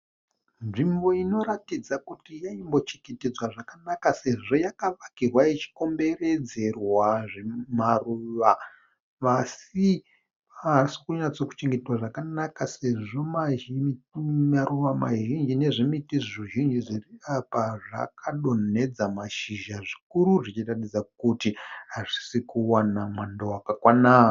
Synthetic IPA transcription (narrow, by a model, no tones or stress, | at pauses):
nʐimbo̞ino̞ɾatid͡zakutijaimbo̞t͡ʃeŋɡeted͡zwaʐakanakase̞ʐo̞jakaʋakirwait͡ʃi̥ko̞mbe̞re̞d͡ze̞rwaʐemaruʋa | ʋasi | si̥kuɲat͡so̞ku̥t͡ʃeŋɡetitwaʐakanakase̞ʐo̞ma | maɾuʋama̰ʒind͡ʒine̞ʐimitiʐʐiʒind͡ʒiʐiriapaʐa̰kʰaɗo̞nne̞d͡zamaʃiʒaʐikuɾuʐit͡ʃiratid͡zakutiɦaʐi̥sikuwanamwandawakakwanaː